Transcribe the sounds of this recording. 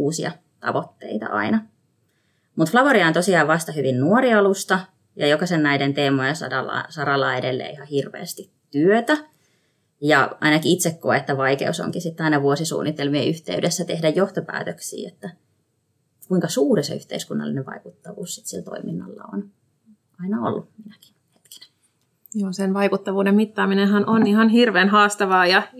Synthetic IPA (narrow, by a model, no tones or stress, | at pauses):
uːsiɑ̰ | t̪ɑ̰ʋot̪ːḛit̪ɑ̰ʔɑ̰inɑ | mut̪flɑʋoɾiɑːnt̪osiɑːʋʋɑst̪ɑhyʋinnuoriɑlust̪ɑ | jɑjokɑsennæident̪eːmojɑsɑ̰dɑlɑ̰sɑɾɑlːɑːedelːḛːihɑhirʋḛːst̪ittyøt̪æ | jɑɑ̰inɑkiit̪sekkoeet̪ːæʋɑikḛuso̰ŋkisit̪ːɑinɑʋuosisṵːnːit̪elmieʔyht̪eydesːæt̪ehdæjjoht̪opæ̰ːt̪øksḭːet̪ːæ | kuiŋkɑsuːrisḛyht̪ḛiskunːɑ̰lːineʋʋɑ̰ikut̪ːɑʋṵːssi̥t̪silt̪o̰iminːɑ̰lːɑ̰o̰n | ɑinɑo̰lːuminæki̥nhe̥t̪ki̥næ̥ | oːsenʋɑikut̪ːɑʋuːdemmit̪ːɑːminehɑnʔonihɑnhirʋeːnɦɑːst̪ɑʋɑːjɑ